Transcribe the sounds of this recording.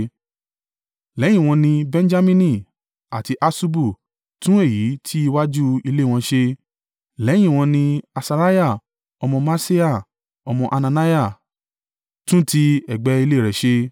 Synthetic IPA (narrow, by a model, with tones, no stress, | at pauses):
lɛ˨˦j̃ĩ˦˨w̃ɔ̃˧nĩ˧bɛ̃˧n˦d͡ʒa˦mĩ˦nĩ˧˨ | a˨ti˧ʔa˧su˧bu˦˨ | tũ˨˦e˦˨ji˨˦tʰi˦i˧wa˦d͡ʒu˦i˧le˦˨w̃ɔ̃˧ʃe˧ | lɛ˨˦j̃ĩ˦˨w̃ɔ̃˧nĩ˧a˧sa˧ɾa˦ja˦˨ | ɔ˧mɔ̃˧ma˦se˦a˦˨ | ɔ˧mɔ̃˧ʔa˧nã˧na˦ja˦˨ | tũ˦ti˧ɛ˨ɡ͡bɛ˨˦i˧le˦˨ɾɛ˨ʃe˧